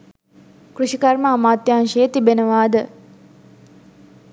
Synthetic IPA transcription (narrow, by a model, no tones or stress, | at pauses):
kruʃikɐrməamaːt̪jaːnʃeːt̪ibenəʋaːd̪ə